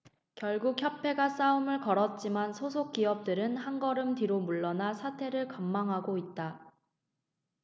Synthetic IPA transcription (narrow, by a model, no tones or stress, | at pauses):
kjʌɭɡuk̚çjʌpʰe̞ɡas͈aumɯɭkʌɾʌt̚t͡ɕ͈imansʰosʰok̚k͈iʌp̚t͈ɯɾɯnhanɡʌɾɯmtiɾomuɭːʌnasʰatʰe̞ɾɯɭkamːaŋɦaɡoit̚t͈a